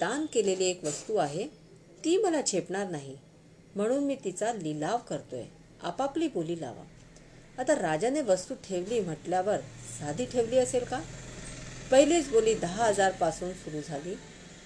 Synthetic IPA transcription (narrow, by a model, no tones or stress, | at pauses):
d̪̥ankeleliːekʋəst̪uaɦe | t̪iːməlat͡ɕʰepɳaɾnaɦi | m̤əɽ̃uːnmiːt̪it͡salilaʋkəɾt̪o̰ḛ | a̰papliːboliːla̰ʋa̰ | at̪aɾad͡ʑaneʋəst̪uːʈʰeʋliːm̤əʈljaʋəɾsad̪ʱiːʈʰeʋliːəselka | pəɦiliːt͡sboliːd̪əɦaɦəd͡zaɾpasuːnsuɾuːd͡zʱaliː